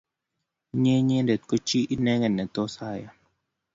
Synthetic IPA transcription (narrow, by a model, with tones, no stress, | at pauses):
ɲe˦ɲe˦ndɛ˨t̪̚kɔ˦t͡ʃi˦ʔi˦nɛ˦ŋɛ˨nːɛ˨t̪ɔ˦sa˦˨ja˨